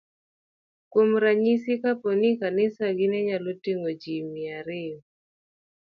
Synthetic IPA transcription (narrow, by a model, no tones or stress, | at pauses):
kwomɾaɲisikapɔnikanɪsaɡɪnɛɲalotiŋod͡ʒimiaɾe